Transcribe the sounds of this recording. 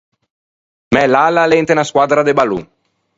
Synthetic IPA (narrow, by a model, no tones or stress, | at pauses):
mɛlːalːalent̪enaskwad̪ɾad̪ebalṵ